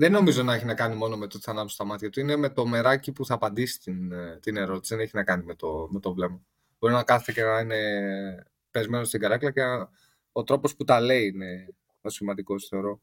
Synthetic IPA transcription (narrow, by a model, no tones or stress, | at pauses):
ðeno̞mizo̞nɐeçinɐkɐnimo̞no̞me̞t̪ot̪i̥θɐnɐmso̥st̪ɐmɐt̪çɐt̪uine̞me̞t̪o̞me̞ɾɐcipuθɐːpɐnd̪isi̥t̪int̪ine̞ɾo̞t̪i̥siðeneçinɐkɐnime̞t̪ome̞t̪o̞vle̞mɐ | b̥o̞ɾinɐkɐθet̪ecenɐine̞ | pe̞zmeno̞st̪iɡɐɾɐklɐce | o̞t̪ɾo̞po̞sput̪ɐle̞iine̞ | osimɐnd̪iko̞sθe̞o̞ɾo̞